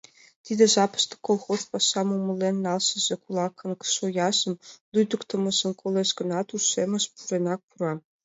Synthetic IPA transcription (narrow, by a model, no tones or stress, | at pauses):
t̪ʲid̪eʒɑpɤ̥̆ʃt̪ɤ̥̆kolˠxozpɑʃːɑmumɤ̆lːenːɑlˠʃɘ̆ʑĕkulˠɑkːɤ̆nkʃojɑʒɤ̆md̪ujd̪ŭkt̪ɤ̆mɤ̆ʒɤ̆nkʰoleʒɡɤ̆nɑt̪uʃemʲɘ̆ʃpuɾenɑk̚puɾɑ